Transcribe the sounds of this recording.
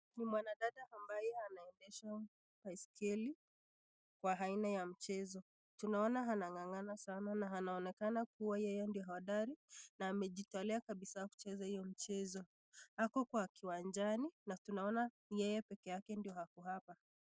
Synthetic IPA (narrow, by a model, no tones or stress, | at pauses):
nimwanaɗaɗaʔambajɛanaɛndɛʃa | pajskʰɛli | kwaɦainajam̩t͡ʃɛzɔ | tunaɔnaɦanaŋaŋanasananaɦanaɔnɛkanak̚uwajɛjɛndijɔɦawaɗaɾinaːmɛʄitalɛakaɓisaaku̥t͡ʃɛzahijɔmit͡ʃɛzɔ | hakɔkwakiwand͡ʒaninatunaɔna | jɛjɛpɛkɛjakɛndijɔhakuhapa